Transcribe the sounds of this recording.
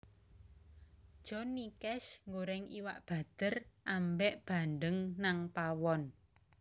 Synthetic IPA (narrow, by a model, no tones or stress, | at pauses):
d̥ʒ̥ɔ̤nːikɛsŋɡoɾɛŋḭwaʔb̥a̤d̪̥ərʔambɛʔb̥a̤nd̪əŋnaŋpawɔn